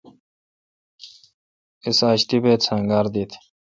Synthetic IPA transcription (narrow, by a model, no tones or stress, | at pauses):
isaːɕt̪ibeːt̪t͡sʰaŋɡaːɾd̪it̪ʰ